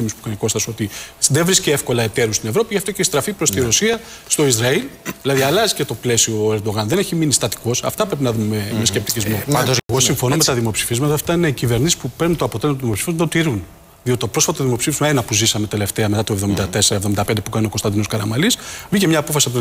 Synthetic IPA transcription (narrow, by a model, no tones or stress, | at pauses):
imispu̥kɐniko̞st̪ɐso̞t̪iðevɾisceefko̞lɐet̪e̞ɾust̪ine̞vɾo̞piʝɐft̪oceist̪ɾɐfipɾo̞st̪iɾo̞siɐ | st̪o̞izɾɐilðilɐðiɐlɐzicet̪o̞ple̞sioeɾd̪o̞ɣɐnðe̞ne̞çiminist̪ɐt̪i̥ko̞sɐ̰ft̪ɐpɾe̞p̬inɐðumememescept̪icizmo̞eɣo̞siɱfo̞nomet̪ɐðimo̞psi̥fizmɐt̪ɐft̪ɐine̞icive̞ɾnisi̥spupeɾnunt̪o̞ɐpot̪e̞lmɐt̪ðimo̞psifizunt̪ot̪iɾun | ðio̞t̪it̪opɾo̞sfɐt̪oðimo̞psifizmɐenɐpuzisɐme̞t̪e̞le̞ft̪e̞ɐme̞t̪ɐt̪o̞evðo̞mind̪ɐt̪e̞seɾɐevðomind̪ɐped̪epukɐnio̞ko̞st̪ɐnd̪ino̞skɐɾɐmɐlisvicemɲɐːpo̞fɐsiot̪